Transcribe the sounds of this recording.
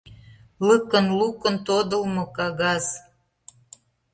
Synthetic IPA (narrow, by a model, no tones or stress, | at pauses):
ləkənlukə̆nt̪od̪ə̆lmɤ̆kɑɣɑz